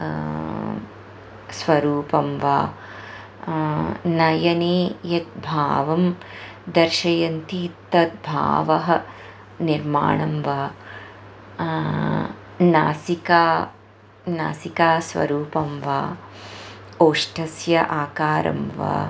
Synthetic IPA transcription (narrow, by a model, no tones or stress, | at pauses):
sʋɐɾuːpɐmʋa̰ː | nɐjɐneːjɐt̪̚bʱaːʋɐm | d̪ɐɾʃɐjɐnt̪iːt̪ːɐt̪̚bʱa̰ːʋɐɦɐ̆ | niɾma̰ːɳɐmʋaː | na̰ːsikaː | na̰ːsikaːsʋɐ̰ɾuːpɐmʋaː | oːʂʈʰɐsjɐʔaːkaːɾɐ̰mʋa̰ː